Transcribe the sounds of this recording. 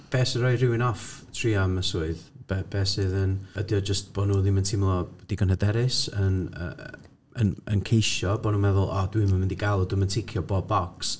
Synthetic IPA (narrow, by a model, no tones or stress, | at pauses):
b̥ɛːsəɾɔɨrɪwɪnɔftʰriːaməsuːɨðb̥ɛb̥ɛːsɨðənədjɔd͡ʒəst̚b̥ɔnuːðiməntʰɪmlˠɔd̥iɡənhədɛɾɪsənə̰ | ənə̰nkʰejʃɔbɔnuːmɛðʊlˠɔdwimənmɪndiɡalˠɔdʊməntʰɪkʰjɔbɔbɔks